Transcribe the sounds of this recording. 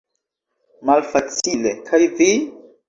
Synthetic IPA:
malfat͡silekʰajvi

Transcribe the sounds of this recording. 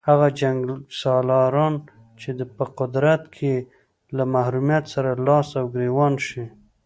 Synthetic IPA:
haɣad͡ʒaŋɡlsɑlɑɾɑn | t͡ʃed̪əpəqʊd̪ɾat̪kʰe | lamahɾumjat̪saɾalɑsawɡɾewɑnʃi

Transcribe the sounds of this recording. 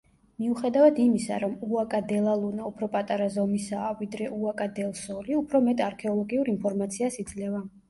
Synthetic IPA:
miuχɛd̪avad̪imisa̰ɾɔmuakʼad̪ɛlˠalˠunaupʰɾɔpʼat̪ʼaɾazɔmisaːvid̪ɾɛʔuakʼad̪ɛlˠsɔliupʰɾɔmɛt̪ʼaɾkʰɛɔlˠɔɡiuɾinpʰɔɾmat̪sʰiasid̪zlɛva

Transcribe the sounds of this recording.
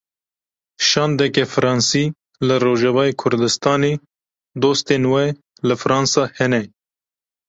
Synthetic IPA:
ʃɑːnd̪ɛkɛfɨɾɑːnsiː | lɨɾoːʒɛvɑːekʰʊɾd̪ɨst̪ɑːneː | d̪oːst̪eːnwɛ | lɨfɾɑːnsɑːhɛnɛ

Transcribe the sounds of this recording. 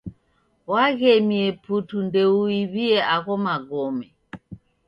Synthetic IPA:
waɣɛmiɛputundɛuiβiɛʔaɣɔmaɡɔmɛ

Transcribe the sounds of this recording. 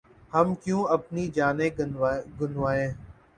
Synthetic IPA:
həmkjũːəpniːd͡ʒaːnẽːɡʱʊnʋaːẽː

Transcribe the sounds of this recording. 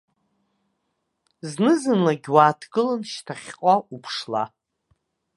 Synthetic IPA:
znɨzɨnlaɡʲwaːtʰɡɨlanʃtʰaχʲqʼaupʰʂla̰

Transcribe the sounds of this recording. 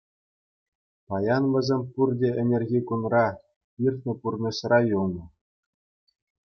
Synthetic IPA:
pɑjɑnʋʲɘ̆zʲemʲpurdʲeɘ̆nʲerʲɣʲikunrɑ | irʲt̪ʲnʲɘ̆purnʲɤ̆ɕrɑjulˠnɤ̆

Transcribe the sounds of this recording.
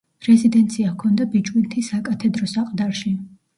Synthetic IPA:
ɾɛzid̪ɛnt̪sʰiakʰɔnd̪abit͡ʃʼwint̪ʰisakʼat̪ʰɛd̪ɾɔsaqʼd̪aɾʃi

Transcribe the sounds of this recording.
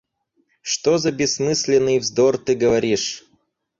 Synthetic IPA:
ʂt̪ozɐbʲɪsmɨsʲlʲɪnːɨjvzd̪ort̪ɨɡəvɐɾʲiʂ

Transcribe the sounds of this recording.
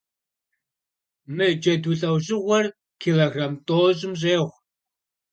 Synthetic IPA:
mɨd͡ʒɐduɬʼɐwʑɪʁʷɔr | kʰiːloɣramtʼoːɕʼɪmʑʼeːʁʷ

